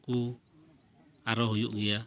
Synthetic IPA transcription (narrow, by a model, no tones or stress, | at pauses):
ku | aɾɔɦujuʔɡia